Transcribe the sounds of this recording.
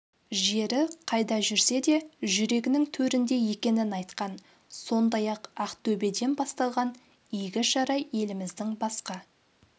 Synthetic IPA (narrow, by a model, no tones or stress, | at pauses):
ʒe̞ɾɪqʰɑjd̪ɑʒʏɾse̞d̪e̞ʒʏɾe̞ɡʲɪnɪŋt̪ʰɵɾɪnd̪e̞je̞kʲe̞nɪnɑjt̪qɑn | so̞nd̪ɑjɑqɑqt̪ʰɵbe̞d̪e̞nbɑst̪ɑlˠʁɑn | ijɡʲɪʒɑɾɑje̞lɪmɪzd̪ɪŋbɑsqɑ